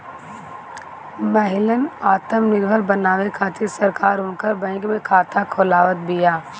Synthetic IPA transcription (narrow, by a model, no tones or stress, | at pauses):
məɦɪlənaːt̪əmnɪɾbʱəlbənaːʋekʰaːt̪ɪɾsəɾkaːɾʊnkəɾbɛ̃ɪkmẽkʰaːt̪ʰakʰoːlaːʋət̪̚bijaː